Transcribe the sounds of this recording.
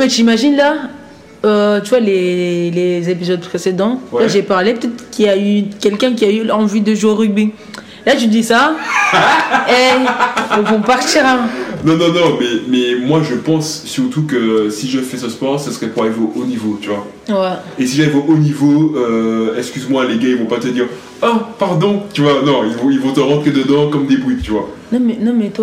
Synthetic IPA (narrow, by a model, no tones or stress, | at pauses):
mɛt̪imaʒinla | øt̪yvwalelezepizɔd̪̚pχesed̪ɑ̃waʒepaʁlepøt̪ɛt̪χkʲiaykʲɛlkʲɛ̃k̬ʲiayɑ̃vyd̪əʒoʁyɡ̚bi | lat̪yd̪isa | ɛ | ɔ̃vɔ̃paʁt̪iʁɛ̃nɔ̃nɔ̃nɔ̃mɛmɛmwaʒəpɑ̃sːyʁt̪ukəsiʒəfɛsəspɔʁsəsəʁɛpuʁalevoʔonivot̪yvwa | wɛesiʒalɛvoʔonivoøɛkskʲyzmwaleɡãilvɔ̃pat̪əd̪iːʁ | apaʁd̪ɔ̃t̪yvwanɔ̃ilvɔ̃ilvɔ̃t̪ɑ̃ʁɑ̃t̪χed̪əd̪ɑ̃kɔmd̪ebʁit̪yvwa̰ | nɔ̃mɛnɔ̃mɛt̪